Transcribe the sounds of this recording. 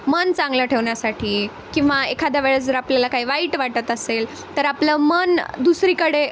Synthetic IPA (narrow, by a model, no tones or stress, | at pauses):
mənt͡sãŋɡləʈʰeʋɳjasaʈʰiː | kĩʋaekʰad̪aʋeɭəd͡zəɾapljalakaɦiːʋaiːʈʋaʈət̪əsel | t̪əɾapləmənd̪usɾiːkəɽe